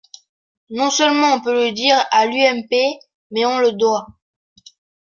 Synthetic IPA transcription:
nɔ̃səlmɑ̃ɔ̃pøləd̪iːʁalyɛmpe | mɛɔ̃ləd̪wa

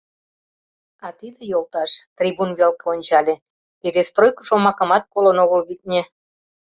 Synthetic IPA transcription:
ɑt̪id̪ejolˠt̪ɑʃt̪rʲibunβelkeonʲt͡ɕɑlʲe | peɾʲest̪rojkə̥ʃomɑkə̆mɑt̪̚kolənoɣəlβit̪̚ʲnʲe

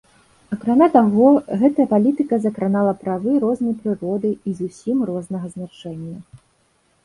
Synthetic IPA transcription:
ɐkɾamʲat̪aɣɔɣɛt̪ɐjɐpalʲit̪ɨkɐzɐkɾanalˠɐpɾavɨɾɔznɐjpɾɨɾɔd̪ɨizusʲimrɔznɐɣɐznat͡ʂɛnʲːɐ

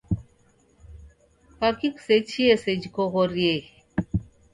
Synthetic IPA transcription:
pakikset͡ʃʰiesed͡ʒikoɣoɾie

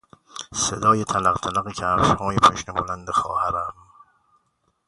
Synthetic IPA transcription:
sed̪ɒːjet̪ʰælæqt̪ʰælæɣecʰæɾʃhɒːjepʰoʃnebolænd̪exɒ̰ːhæɾæm

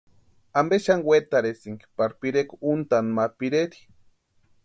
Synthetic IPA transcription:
ambeʃaŋwet̪aɾesiŋɡi̥paɾpiɾekunt̪anmapiɾeɾi̥

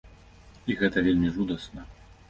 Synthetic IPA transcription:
iɣɛt̪ɐvʲelʲmʲiʐud̪ɐsnɐ

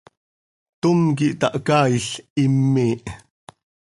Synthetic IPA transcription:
t̪umk̬iʔt̪ɑʔkaːiɬimːiːʔ

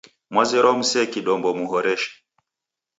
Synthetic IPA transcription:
mwazɛɾɔm̩sɛkiɗɔmbɔmuɦɔɾɛʃɛ̥

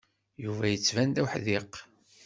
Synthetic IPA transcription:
juvæjət͡sːvænd̪æwħðiq

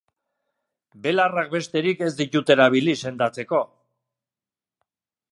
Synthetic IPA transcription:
be̞larak̚be̞st̪e̞ɾike̞zd̪it̪ut̪e̞ɾaβ̞ilise̞nd̪at͡se̞ko̞

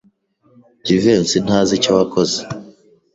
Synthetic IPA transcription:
ɟivensin̥haːzicawakoze

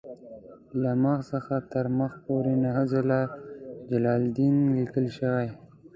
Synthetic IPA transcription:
laməɣsəxat̪əɾməxpoɾenaɦazalad͡ʒalɑld̪inlikəlʃəwaj

